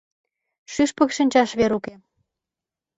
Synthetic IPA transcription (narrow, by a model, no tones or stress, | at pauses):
ʃyʃpə̆kʃənʲt͡ɕɑʃβeɾuke